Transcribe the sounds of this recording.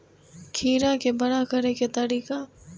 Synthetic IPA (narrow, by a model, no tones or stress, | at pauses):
kʰiːɾakebɐɽakɐɾeket̪ɐɾiːka